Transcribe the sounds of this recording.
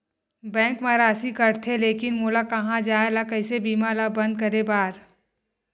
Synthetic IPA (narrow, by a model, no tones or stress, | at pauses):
bɛ̃ːŋkmãɾaːsikɐɾt̪ʰeleːkɪnmoːlakɐɦãd͡ʒaːelakəɪsebiːmaːlabɐ̃nd̪̚kɐɾebaːɾ